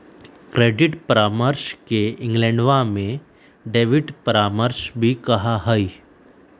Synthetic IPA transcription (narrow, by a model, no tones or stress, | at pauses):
kɾeːɖɪʈpəɾaːməɾʃkeɪ̃ŋɡlɛ̃ɳɖʋamẽ | ɖeːʋɪʈpəɾaːməɾʃbʱikɐɦaɦəi